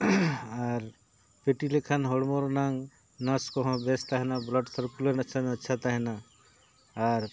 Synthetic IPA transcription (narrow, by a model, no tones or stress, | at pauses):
aɾ | peʈilekʰanɦɔɽmoɾnaŋɡ | naskɔɦɔ̃best̪aɦɛnablɔɖsəɾkuləɾnɐːʃʰanɐtːʃʰat̪aɦɛna | aɾ